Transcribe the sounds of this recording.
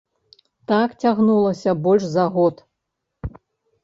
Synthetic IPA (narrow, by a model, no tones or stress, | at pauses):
t̪akt͡sʲaɣnulˠɐsʲɐbɔlʲʂzaɣɔt̪